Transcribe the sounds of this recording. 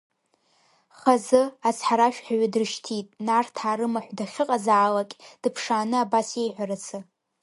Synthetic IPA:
χazɨat͡sʰħaɾaʃᶣħaɥadɨrʃtʰitʼnartʰaːɾɨmaħʷdaχʲɪqʼazaʕːlakʲʼd̥ɨpʰʂaːnɨabase̞jħᶣʷaɾat͡sʰɨ

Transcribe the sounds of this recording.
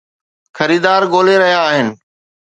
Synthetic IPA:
xɐɾiːd̪aːɾɠoːleɾɐɦjaːɦɪnɪ̆

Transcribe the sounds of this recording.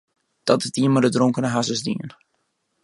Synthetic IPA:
d̥ɔtɪzdiənmadədroŋkənəɦasəzdḭən

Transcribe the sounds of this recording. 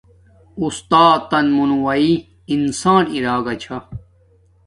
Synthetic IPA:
ust̪aːt̪ːɐnmunuwɐi | insaːniɾaːɡɐt͡ɕʰɐ

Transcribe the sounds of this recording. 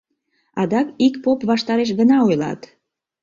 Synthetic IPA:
ɑd̪ɑkikpopβɑʃt̪ɑɾeʃ̬ɡə̆nɑojlɑ̰t̪

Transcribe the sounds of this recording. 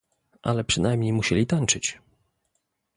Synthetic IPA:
ʔa̰lɛpʂɘnajmɲejmuɕɛlʲit̪ant͡ʂɘt͡ɕ

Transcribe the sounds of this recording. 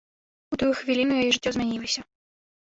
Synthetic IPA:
ut̪ujuxvʲilʲinujajɛʐɨtʲːɔzmʲɛnʲilˠɐsʲɐ

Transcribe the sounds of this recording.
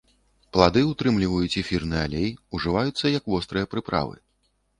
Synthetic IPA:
plˠad̪ɨut̪ɾɨmlʲivɐjut͡sʲɛfʲirnɨalʲejuʐɨvajut̪sːɐjɐkvɔst̪ɾɨjɐpɾɨpɾa̰vɨ̰

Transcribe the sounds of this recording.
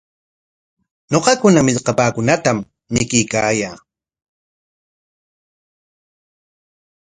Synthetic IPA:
ɲoqɑkʊnamɪʎqɑpaːkʊnat̪am | nɪkɪjkaːjaː

